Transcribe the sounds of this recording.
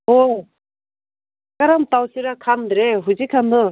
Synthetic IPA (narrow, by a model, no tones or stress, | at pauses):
o | kaɾamt̪awsiɾakʰand̪ɯɾeɦud͡ʑikʰand̪ɯ